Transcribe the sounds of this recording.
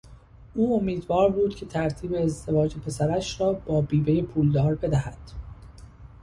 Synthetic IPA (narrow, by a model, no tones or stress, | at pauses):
ʔuːomiːd̪vɒːɾbuːd̪̥cʰe̞t̪ʰæɾt̪ʰiːbe̞ːzd̪e̞vɒːd͡ʒe̞pʰe̞sæɾæʃrɒːb̥ɒːbiːbejepʰuːld̪ɒːɾbe̞d̪æhæd̪̥